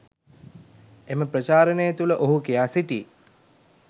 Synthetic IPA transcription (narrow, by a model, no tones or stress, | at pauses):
eməpɾət͡ʃaːɾənəjət̪uləʔoɦukijaːsiʈḭː